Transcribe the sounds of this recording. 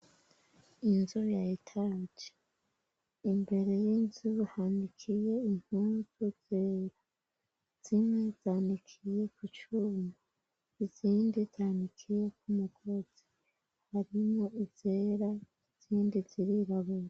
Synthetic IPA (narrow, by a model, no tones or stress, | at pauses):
inzujaitʰad͡ʒe̥ | imbe̞ɾe̞jinzuhandikʰije̞im̥huzuz̥eːɾa | z̥imŋe̞z̥aːndikʰije̞kut͡ʃuma | iziːndizaːndikʰijek̚ʰumuɡoz̥i | haɾimoʔizeɾa | iz̥iːndiziɾiɾaβuɾ